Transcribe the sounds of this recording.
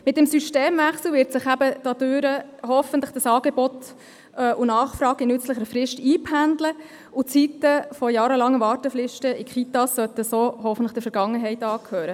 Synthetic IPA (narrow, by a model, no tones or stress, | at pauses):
mɪt̚dɛmsyʃteːmʋæχsl̩ʋɪːɾtsɪχæbəd̥ɑd̥̪øːɾəɦɔfəntləχd̥ɑsɑːɡebɔtː | ʔunɑːχfɾɑːɡɪnʏt͡sləχəɾfɾɪʃtiːpʰhændlə | ʊt͡sitəfɔjɑːɾəlɑŋːəʋɑːɾtəflɪʃtəɪkχit̪ɑsːœt̪əsoːɦɔfəntlə̥d̥əɾfəɾɡ̥ɑŋːəɦɛɪtɑːkʰhøːɾə